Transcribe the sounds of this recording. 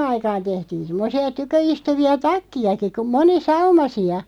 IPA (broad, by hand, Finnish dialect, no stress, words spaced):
ɑikɑːn tehtiːn̞ semːŏsiɑ tykøistuʋiɑ tɑkːiɑki ku monisɑumɑsiɑ